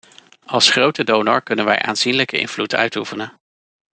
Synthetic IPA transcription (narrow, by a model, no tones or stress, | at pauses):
ɑlˠsχrowtədownɔ̰ɹkɵnənʋɛjʔa̰ːnzinləkəɪ̰nvlutʰœ̰ɥtufənən